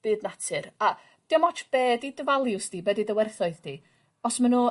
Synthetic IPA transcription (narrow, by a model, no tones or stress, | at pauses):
b̥ɨːdnatʰɨɾa | d̥iɔmɔt͡ʃʰb̥eːdidəvalˠjʊsd̥iːbɛːdidəwɛrθɔɨðdi | ɔsmanuː